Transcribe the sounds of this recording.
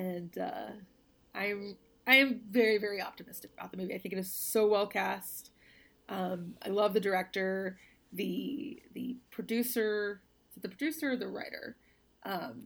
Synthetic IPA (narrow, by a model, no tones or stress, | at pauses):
ɨ̃nʌ̰ | ʔãɪɨ̃m | ãɪɨ̃ɱvɛɹivɛɹiɑ̰p̚tɨmɪstɨkəb̥aʊt̪̚ðəmʉviaɪθɪ̃ŋkɨɾɨz̥soʊwɛlˠkʰæst | ʔʌ̃ma̰ɪlʌvðɨdə˞ɛk̚tə˞ | ðɨðɨ̰pʰɹ̥ɨdʉsə˞ | ðɨpʰɹ̥ɨdʉsə˞ðɨɹa̰ɪɾə̰˞ | ʔʌ̃m